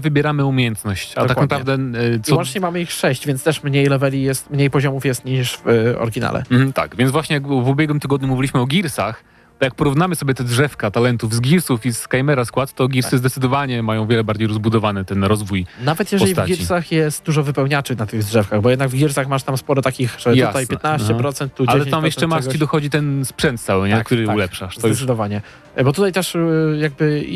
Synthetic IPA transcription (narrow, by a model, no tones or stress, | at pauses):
vɘbʲjɛɾamɘumʲjjɛnt̪nɔɕt͡ɕaaknadpɾaɛvd̪ɛsɔwɔnɲɛmamɘixʂɛɕd͡ʑvʲjɛnst̪ɛʂmɲejlɛvɛlʲijɛst̪mɲejpɔʑɔmufjɛst̪ɲiʂvɔ̰ɾɡʲina̰lɛ̰m̩m̩t̪a̰kvʲjɛnzvwaɕɲɛjakvubʲjɛɡwɘmt̪ɘɡɔd̪ɲumuvʲilʲiɕmɘɔɡʲiɾsax | t̪ɔjak̚pɔɾuvnamɘsɔbʲjɛt̪ɛdʐɛfkat̪alɛnt̪uvzɡʲiɾsufiskajmɛɾaskwat̪t̪ɔɡʲiɾsɘzd̪ɛt̪sɘd̪ɔvaɲɛmajɔ̃w̃vjɛlɛbaɾd͡ʑejɾɔzbud̪ɔvanɘt̪ɛnɾɔzvuj̪avɛt̪jɛʒpɔsɛslivt̪at͡ɕɡiɾisaxjɛst̪̚d̪uʐɔvɘpɛwɲat͡ʂɨnat̪ɘɣdʐɛfkaɣbɔjɛd̪naɡvɡʲiɾsaxmaʂt̪amspɔɾɔt̪akʲixʐɛj̪at̪ajpʲjɛt̪naɕt͡ɕɛpɾɔt̪sɛnt̪ːud͡ʑaɛɛamjɛʂt͡ʃɛmaʂt͡ɕid̪ɔxɔd͡ʑit̪ɛnspʂɛnt̪̚t̪sawɪɲɛakt̪uɾɪulɛpʂaʂtzɔjɛsd̪ɔvaɲɛ | bɔt̪ut̪ajt̪ɛʂjaɡ̚bɘ